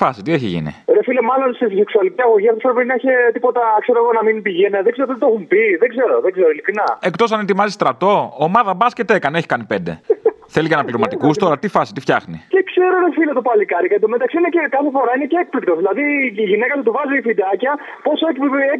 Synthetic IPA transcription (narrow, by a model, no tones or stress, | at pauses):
fɐsit̪ieçiʝḭnḭɾefilemɐlo̞nsise̞ksuɐliciɐɣo̞ʝiɐfoosfɾopiinɐiçet̪ipo̞t̪ɐkse̞ɾoeɣo̞nɐminpiʝeneðɡzeɾot̪t̪oxumpiðeɡze̞ɾo̞ðeɡzeɾoilikɾinɐe̞kt̪o̞sɐnet̪imɐzist̪ɾɐt̪o̞omɐðɐbɐscet̪ekɐneçi̥kɐnipe̞nd̪e̞̰θe̞licɐnɐpliomɐt̪ikustt̪o̞ɾɐt̪ifɐsi̥t̪ift̪çɐxnicekse̞ɾoɾefilet̪opɐlikɐɾikɐd̪omet̪ɐksiinecekɐθefo̞ɾɐineceek̚plik̚t̪oðilɐðiːʝinekɐt̪ut̪uvɐziifid̪ɐcɐ | po̞soekpe